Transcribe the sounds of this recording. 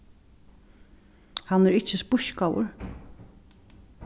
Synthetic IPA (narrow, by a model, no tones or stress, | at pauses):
hɑnæɹɪt͡ʃəspʊʃkawʊ̰ɹ